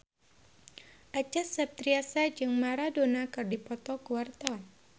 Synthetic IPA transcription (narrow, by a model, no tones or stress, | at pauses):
ʔat͡ʃasap̚t̪ɾiasad͡ʒɨŋmaɾadonakɨrdipɔt̪ɔkuwart̪a